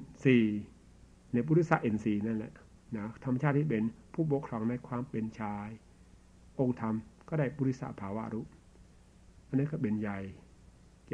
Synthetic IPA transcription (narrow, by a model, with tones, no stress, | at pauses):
siː˨˩ | na˧˩buː˧˦ɾi˦˥t̪sa˧˥ʔe˧˩nsiː˨˩na˧˥˩nlɛ̰˨˩ʔ | na˦˥t̪ʰa˧mː˧t͡ɕʰaː˥˩t̪ːʰiː˥˩p̬e˧npʰuː˥˩p̬o˨˥kʰɾɔː˧˦ŋna˧jkʰwaː˧mpe˧nt͡ɕʰaː˧j | ʔo˧ŋt̪ʰa˧mkɔː˥˩daː˥˩jbuː˧˩ɾi˦˥t̪̚sa̰˧˩ʔpʰaː˨˦wa̰˦˥ʔɾu˦˥ | ʔa˧nːa˦˥kɔː˥˩pe˧nja˨˧˩j